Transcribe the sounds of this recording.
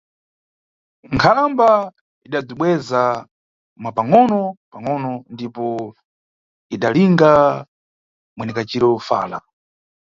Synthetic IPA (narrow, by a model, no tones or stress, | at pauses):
ŋkʰalamba | iɗab͡ʐiɓwɛza | mwapaŋɔnɔpaŋɔnɔndipɔ | iɗaliŋɡa | mwɛnɛkat͡ʃiɾɔfa̰ːla̰